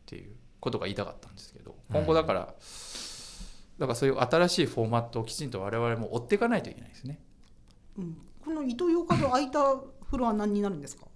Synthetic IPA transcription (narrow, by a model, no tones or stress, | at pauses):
t̪ʰe̞̰jɯ̟̰ː | ko̞t̪o̞ɡaiːt̪aka̰t̪ːãnd̪e̞sɨ̥ke̞d̪o̞̰kõ̞ŋɡo̞d̪akaɾa̰ | d̪akasoːjɯ̟ʔat̪aɾaɕiːɸo̞ːmat̪ːo̞ːkʲi̥t͡ɕĩnt̪o̞β̞aɾe̞βaɾe̞mo̞ʔːt̪ːe̞ikanait̪o̞ikʲe̞na̰id̪esne̞ | ɯ̟̃ɴko̞no̞it̪o̞joːkad̪oait̪aɸɯ̟ɾoβanãɲ̟ːinaɾɯ̟nd̪esɨ̥kḁ